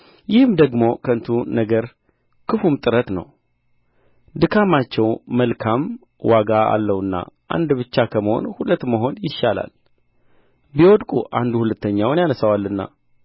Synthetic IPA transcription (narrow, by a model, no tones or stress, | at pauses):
jɪhɨmd̪əɡmo̞kʰəɨnt̪ʰunəɡəɾ | kʰɨfumt̪ʼɨɾət̪nə̰w | d̪ɨkʰamat͡ʃːɛwməlkʰam | waɡaa̰lːəwɨnːa̰ʔa̰nd̪bɨt͡ʃːakʰəməho̞̰nhulət̪ːməɦo̞njɪʃːala̰l | biwɔd̪kʼṵʔand̪uhulət̪ʰːəɲːawnjanəsawalːɨnːa̰